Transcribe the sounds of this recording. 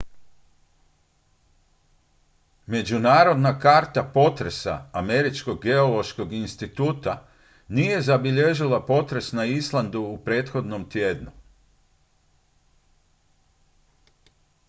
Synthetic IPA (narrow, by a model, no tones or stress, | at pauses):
me̞d͡ʒunaːɾo̞d̪nakaːɾt̪apo̞t̪ɾe̞sa̰ːme̞ɾit͡ʃko̞ɡːeolo̞ʃko̞ɡinst̪it̪uːt̪a | nije̞zabiʎe̞ʒilapo̞t̪ɾe̞snaislˠand̪uːpɾe̞ːt̪xo̞d̪no̞mt̪je̞ːd̪nu